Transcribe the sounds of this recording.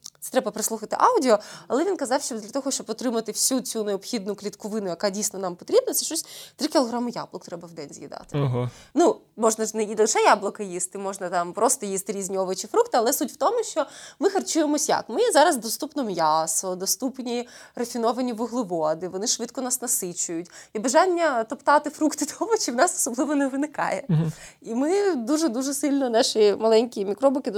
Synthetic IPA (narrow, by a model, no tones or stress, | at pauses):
t̪sɛ̥t̪ɾɛbɐpɾɪslˠuxɐt̪ɪ̰ʔɑwdʲɪɔɐlˠɛʋʲinkɐzɑwʃt͡ʃɔd̪lʲɐt̪ɔɦɔʃt͡ʃɔbɔt̪ɾɪmɐt̪ɪwsʲut͡sʲuneɔpxʲid̪̚nʊklʲit̪kɔʋɪnʊjɐkadʲijsʲnɔnɑmpɔt̪ɾʲibnɐt̪sɛʃt͡ʃɔsʲt̪ɾɪkʲilˠɔɦɾamʊja̰blˠɔkt̪ɾɛbɐwd̪ɛnʲzʲjḭd̪ɑ̰t̪ɪɦnu | mɔʒnɐʒnɛjid̪lˠɪʃɛjablˠɔkɐjist̪ɪmɔʒnɐt̪ɑmpɾɔst̪ɔjist̪ɪɾʲizʲnʲiɔʋɐt͡ʃɪfɾukt̪ɪɐlˠɛsutʲwt̪ɔmʊʃt͡ʃɔmɪxɐrt͡ʃujemɔsʲja̰kmɪjɛzɑɾɐzd̪ɔst̪upnɔmjɑsɔd̪ɔst̪upnʲirɐfʲinɔʋɐnʲiʋʊɦlˠɪʋɔd̪ɪʋɔnɪʃʋɪt̪̚kɔnɑsnɐsɪt͡ʃʊjʊtʲibɐʒɑnʲːɐt̪ɔpt̪ɑt̪ɪfɾukt̪ɪd̪ʰɔʋɐt͡ʃɪwnɑsɔ̥sɔblˠɪʋɔnɛʋɪnɪkɑ̰jɛ̰imɪd̪uʒɛd̪uʒɛsɪlʲnɔnɑʃimɐlˠɛnʲkʲimʲikɾɔbʊkɪ